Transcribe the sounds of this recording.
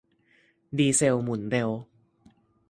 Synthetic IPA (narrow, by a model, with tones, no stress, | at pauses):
diː˧se˧wmu˨˩˦nd̪e˧w